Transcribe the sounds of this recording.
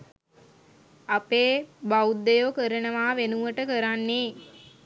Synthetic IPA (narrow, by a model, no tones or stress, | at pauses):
apeːbaud̪ːəjokəɾənəʋaːʋenuʋəʈəkəɾanːeː